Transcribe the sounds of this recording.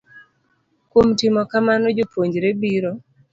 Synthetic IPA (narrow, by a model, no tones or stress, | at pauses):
kwomtɪmɔkamanod͡ʒopwoɲd͡ʒɾebiɾo